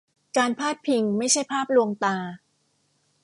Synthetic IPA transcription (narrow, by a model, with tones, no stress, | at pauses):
kaː˧npʰaː˥˩t̪̚pʰi˧ŋma˥˩jt͡ɕʰa˥˩jpʰaː˥˩p̚lu˧əŋt̪aː˧